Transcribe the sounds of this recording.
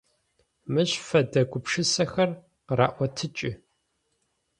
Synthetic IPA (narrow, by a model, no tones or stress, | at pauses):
mɨɕfɐdɐɡʷʊpʂɨsɐxɐr | qra̰ːʔʷɔtʰɨt͡ʃʼɪ